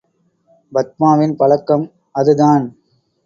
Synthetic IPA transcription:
bɐt̪̚maːʋɪnpɐlɐkːɐm | ɐðɯðaːn

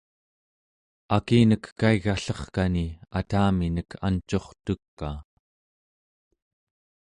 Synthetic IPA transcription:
akiːnəkːaiɣaɬʌχkaniat̪aːminəkʰa̰nt͡ʃo̞χt̪ukːaː

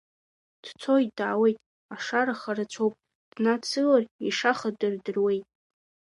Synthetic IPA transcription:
d̥t͡sʰojtʼdaaːwe̞jtʼ | aʂaɾaχaɾat͡ɕʷʰowpʼ | d̥nat͡sʰɨlariʂaχadɨrdɨrwe̞jtʼ

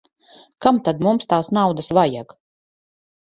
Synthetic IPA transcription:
kamt̪ad̪mumst̪aːsnawd̪asvajak

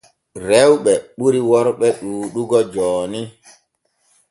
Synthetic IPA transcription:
ɾɛwɓɛɓuɾiwɔɾɓɛɗuːɗuɡɔd͡ʒɔːni

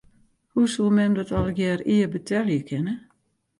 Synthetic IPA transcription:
husulˠmɛmdɔtɔlˠəɡjɛːriəbətʰɛljəkʰɪnə

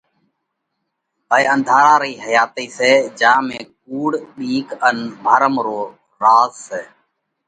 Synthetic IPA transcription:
ɦəeənd̪ʱaːɾaːɾiːɦəjaːt̪iːseːd͡ʒãːmẽːk̚uːɽɗiːkənbʱaːɾəmɾoː | ɾaːzseː

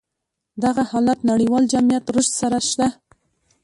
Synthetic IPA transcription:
d̪aɣahɑlat̪naɽiwɑld͡ʒamijat̪ɾʊʃt̪saɾaʃt̪a

